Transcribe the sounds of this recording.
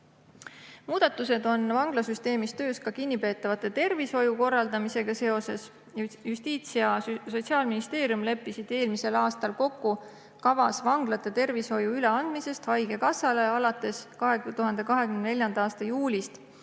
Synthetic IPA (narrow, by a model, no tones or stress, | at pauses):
muːd̪̥ɑt̪ˑːuse̞d̪o̞nvɑŋɡ̥lɑsyst̪e̞ːmist̪øːskɑkinʲːipe̞ːt̪ːˑɑvɑt̪ːˑet̪e̞rviso̞juko̞rːɑld̪ɑmise̞ɡ̥ɑse̞o̞se̞s | jjust̪iːt̪sijɑso̞t̪siɑːlminist̪e̞ːɾjumle̞pːˑisid̪̥e̞ːlmise̞lɑːst̪ɑlko̞kːu | kɑvɑsvɑŋɡ̥lɑt̪ːˑe̞t̪e̞rviso̞juyle̞ɑnd̪̥mise̞st̪hɑjɡ̥e̞kɑsɑle̞ɑlɑt̪ːˑe̞skɑɦet̪uɦɑnd̪e̞kɑɦe̞kymnd̪ne̞lʲjɑnɑɑːst̪ɑjuːlist̪